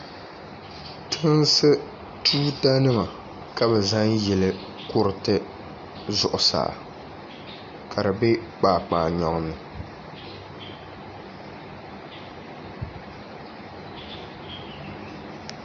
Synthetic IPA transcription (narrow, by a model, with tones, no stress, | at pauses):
tʰɨ˦nsɨ˦ | tʰuː˦ta˦nɨ˦ma˨ | ka˦bɛ˨za˦ŋjɛ˨lɨ˦ | kʊ˦ɾɨ˨tɨ˦ | zʊ˨ʔʊ˨sa̰˨ʔ | kʰa˨dɨ˨be˦k͡paː˨k͡paː˨ɲɔ˨ŋ˨nɨ˨